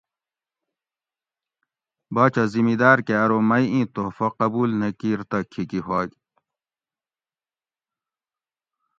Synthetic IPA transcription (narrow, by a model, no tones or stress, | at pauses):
baːt͡ɕɐzimid̪aːɾkeɐɾomɐjĩːt̪ofɐqɐbuːlnekiːɾt̪ɐkʰikiɦwaːɡ